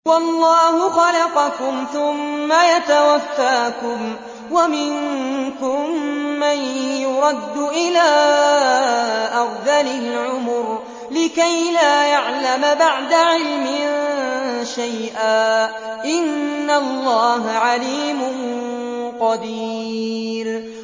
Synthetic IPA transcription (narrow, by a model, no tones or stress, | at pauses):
wɑlˤːɑːhʊxɑlɑqɑkʊmθʊmːajat̪awafːaːkʊm | wamɪŋkʊmːanjʊɾˤɑd̪ːʊʔɪlaː | ʔɑɾðalɪlʕʊmʊɾ | lɪkajlaːjaʕlamabaʕd̪aʕɪlmɪnʃajʔaː | ʔɪnːalˤːɑːɦaʕaliːmʊn | qɑd̪iːɾ